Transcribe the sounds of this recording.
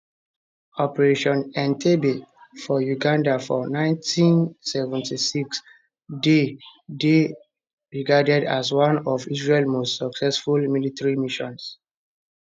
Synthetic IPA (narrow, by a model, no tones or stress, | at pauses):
ɔpɛɹeʃɔ̃nãntʰebefɔjuɡãndafɔnãɪ̃ntĩnsɛvɛ̃ntisiks | dede | ɹiɡadɛdaswãnɔvisɹelmostsɔksɛsfulmilitaɹimiʃɔ̃ns